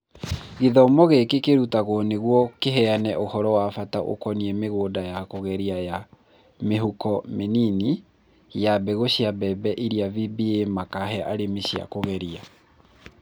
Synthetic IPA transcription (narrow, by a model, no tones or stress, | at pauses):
ɣiðɔmɔɣekekeɾutaɣoɔneɣwɔkeɦɛanɛʔohɔɾɔwafataʔo̰kɔniɛmeɣoːdajakoɣɛɾiaja | meɦukɔmenini | jabɛɣoɕjabɛbɛʔiɾiavibiemakaɦɛʔaɾemeɕja̰koɣɛɾia